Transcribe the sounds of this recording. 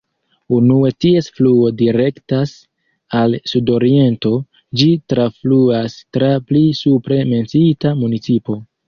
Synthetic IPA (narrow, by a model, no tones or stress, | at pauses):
unue̞tie̞sfluo̞diɾe̞ktas | alsudo̞ɾie̞nto̞ | d͡ʒitɾafluastɾaplisupɾe̞me̞nt͡sitamunit͡sipo̞